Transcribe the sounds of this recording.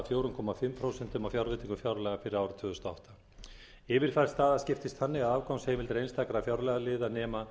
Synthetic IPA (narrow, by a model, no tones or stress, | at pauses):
fjoːwɾʏŋkʰɔːmafɪmːpʰɾoːwsɛnt̪ʏmawfjawɾvɪːt̪iŋkʏfjawɾlɛːɣafɪɾɪɾawɾʏ̥t̪ʰvʏːðʏst̪aa̰ɔht̪a | ɪvɪɾ̥kʰfaɾ̥st̪θaːðascɪft̪ɪst̪θanːɪɣaðaːvkawnsheːjmɪlt̪ɾejnst̪akɾafjawɾlɛːɣalɪːðanɛːma